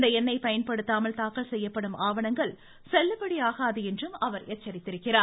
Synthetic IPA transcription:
nd̪ɐɛnːɐɪpɐjɐnpɐɽɯt̪ːaːmɐɭt̪aːkɐɭsɛjːɐpːɐɽɯmʔaːʋɐɳɐŋɡɐɭ | sɛlːɐpːɐɽiaːɣaːðɯɛndrɯmɐʋɐɾɛt͡ʃːɐɾɪt̪ːɪɾɯkːɪraː

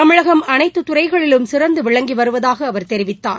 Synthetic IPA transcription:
t̪ɐmɪɻɐɣɐmɐnɐɪt̪ːɯt̪ʊrɐɪɣɐɭɪlɯmsɪɾɐnd̪ɯʋɪɭɐŋɡiʋɐɾɯʋɐðaːɣɐːʋɐɾt̪ɛɾɪʋɪt̪ːa̰ːɾ

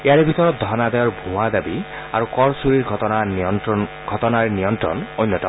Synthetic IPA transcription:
ejaɾebʱit̪ɔɾɔt̪̚d̪ʱɔnad̪ajɔɹbʱuad̪abi | a̰ɾukɔɹsuɾiɹʱɔa | ɡʱɔtɔnaɹenijɔntɾɔ̰nojnːɔtɔ̰

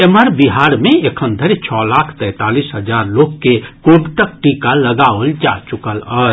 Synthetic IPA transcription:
eməɾbiɦaɾmeekʰənd̪ʱəɾet͡ʃʰɔlakʰt̪ɛjt̪alisɦəd͡ʒaɾloɡkekoɽʈ̪ək̚ʈikaləɡaold͡ʒat͡ʃukələ

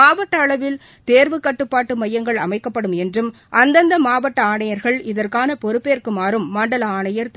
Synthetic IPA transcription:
aːʋɐʈːɐːɭɐʋɪl | t̪eːɾʋɯkːɐʈːɯpːaːʈːɯmɐjːɐŋɡɐɭɐmɐɪkːɐpːɐɽɯmɛndrɯm | ʔɐnd̪ɐnd̪ɐmaːʋɐʈːɐaːɳɐjɐɾɣɐɭɪðɐrkaːnɐpɔɾɯpːeːɾkɯmaːɾɯmːaːɳɖɐlɐaːɳɐjɐɾt̪

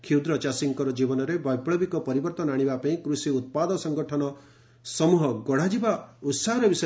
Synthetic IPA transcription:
kʰiwd̪ɾɔt͡ʃasiŋkɔɾɔd͡ʒibɔnɔɾebɔjpɽɔbikɔpɔɾibɔɾt̪ɔnaɽ̃ibapaĩkɾusiut̪̚pad̪ɔsɔŋɡɔʈʰɔnɔ | sɔmuɦɔɡɔɽ̤ad͡ʒibaut̪saɦɔɾɔbisɔ

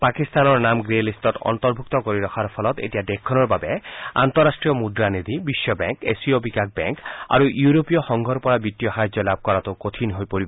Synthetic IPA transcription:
pakist̪anɔɹnamɡɹelistɔtɔ̰nt̪ɔɹbʱuk̚t̪ɔkoɾiɾɔkʰaɾpʰɔlɔt̪ḛtijad̪ekʰːɔnɔɹbabɛa̰nt̪ɔɾasʈɹijɔmudɾaned̪ʱibisːɔbɛŋkesiobikak̚bɛ̰ŋka̰ɾuʔjuɾopijɔxɔŋɡʱɔɾpɔɹabit̪ːijɔhajd͡ʒɔlab̚kɔɹat̪okot̪ʰinɦojpoɾibɔ

